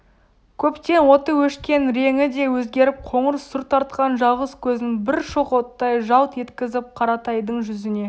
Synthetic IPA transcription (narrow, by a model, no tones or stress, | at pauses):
kʲʰɵpt̪e̞nwo̞t̪əwɵʃkʲe̞nɾeŋɪd̪e̞wɵzɡʲe̞ɾɪp̚qʰo̞ɴəɾəsːʊɾt̪ʰɑɾt̪̚qɑnʒɑʁəskʲʰɵzɪŋbɪɾʃoqot̪ːɑjʒɑlˠt̪je̞t̪kʲɪzɪp̚qʰɑɾɑt̪ɑjd̪əɴʒʏzɪne̞